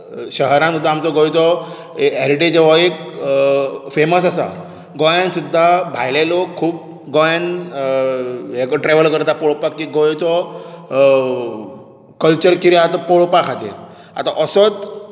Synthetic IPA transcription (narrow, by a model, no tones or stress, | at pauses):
ɕəɦɾãnɔt̪aamt͡sɔɡɔjt͡sɔ | ɛɾiʈed͡ʑeʋɔek | feməs̬asa̰ | ɡɔjãnsud̪ʱːabʱajlelokʰːuːp̚ | ɡɔjan | ɦekɔʈɾeʋəlkəɾt̪apoɭpakːiɡɔjt͡sɔ | kəlt͡ɕəɾkiɾjaat̪apoɭpakʰat̪ḛl | a̰t̪a̰ʔəsɔt͡s